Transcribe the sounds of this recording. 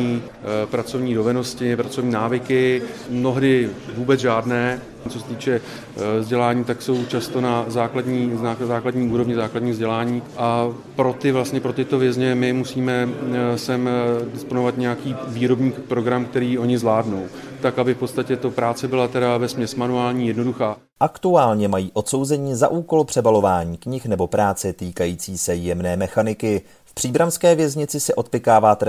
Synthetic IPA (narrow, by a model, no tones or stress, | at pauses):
ɲiː | pɾat͡so̞vɲiːdo̞vɛno̞scɪpɾat͡sovɲiːnaːvɪkɪmno̞ɦdɪvuːbɛt͡sʒaːdnɛː | t͡sosɛt̪iːt͡ʃɛ | zɟɛlaːɲiːt̪akso̞wt͡ʃast̪o̞nazaːkladɲiːazaːkladɲiːuːɾo̞vɲɪzaːkladɲiːvzɟɛlaːɲiːʔa | pɾo̞t̪ɪvlastɲɛpɾo̞t̪ɪt̪o̞vjɛzɲɛmɪmusiːmɛsɛmdɪsponovat̪ɲɛjakiːviːɾo̞bɲiːkpɾo̞ɡɾamkt̪ɛɾiːʔo̞ɲɪzlaːdno̞w | t̪akʔabɪfpo̞t̪st̪acɛt̪opɾaːt͡sɛbɪlat̪ɛɾavɛsmɲɛsmanuaːlɲiːjɛdno̞duxaː | ʔakt̪uaːlɲɛmajiːʔo̞t̪so̞wzɛɲiːzaʔuːko̞lpr̥ɛbalo̞vaːɲiːkɲɪxnɛbo̞pɾaːt͡sɛt̪iːkajiːt͡siːsɛjɛmnɛːmɛxanɪkɪ | fpr̝̥iːbɾanskɛːvjɛzɲɪt͡sɪsɛʔo̞t̪̚pɪkaːvaːt̪ɛ